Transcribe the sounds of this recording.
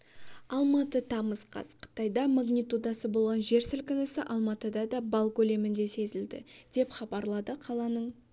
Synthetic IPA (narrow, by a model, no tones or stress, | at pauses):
ɑlˠmɑt̪ət̪ʰɑməzqʰɑ̰sqʰə̥t̪ɑjd̪ɑmaɡnʲijt̪ud̪ɑsəbo̞lˠʁɑnʒe̞ɾsɪlkɪnəsəʔɑlˠmɑt̪əd̪ɑd̪ɑbɑlˠkʲʰɵle̞mɪnd̪e̞se̞zɪld̪ɪ̰d̪̥e̞pχɑbɑɾlˠɑd̪əqʰɑlˠɑnəɴ